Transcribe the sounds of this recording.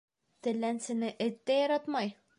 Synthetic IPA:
t̪ɘ̆lːænsɘ̆nɘʔɘt̪ːæjɒɾɑt̪mɑj

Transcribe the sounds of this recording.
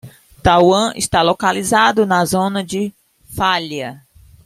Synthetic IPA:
t̪awɐ̃ɪ̰st̪alokalizad̪ʊnɐzõnɐd͡ʒɪ | faʎɐ

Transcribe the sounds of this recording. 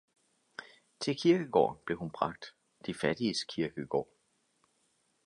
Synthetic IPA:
t͡sʰe̝lkʰiɐɡ̥əɡ̥ɒ̰ːb̥le̝hunb̥ʁɑ̈ɡ̥̚d̥ | d̥ifæd̥iəskʰiɐɡ̥əɡ̥ɒ̰ː

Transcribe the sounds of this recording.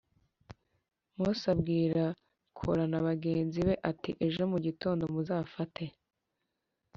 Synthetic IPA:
musabɡiːɾa | kʰo̰ɾanaβaɡe̞ːnziβe̞ʔatiʔe̞ʒo̞muɟito̞ːndo̞muzaːfatʰe̞

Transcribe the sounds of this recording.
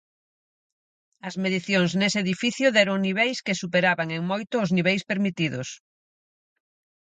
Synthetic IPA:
ɐzmeðiθjoŋzneseeðifiθjʊðɛɾʊŋniβ̞ejskesupeɾaβaŋeŋmojt̪ʊːzniβ̞ejspeɾmit̪iðʊs

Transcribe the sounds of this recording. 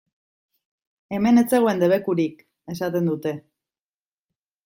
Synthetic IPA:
eme̞ne̞t͡se̞ɣoe̞nd̪e̞β̞e̞kuɾik | e̞sat̪e̞nd̪ut̪e̞

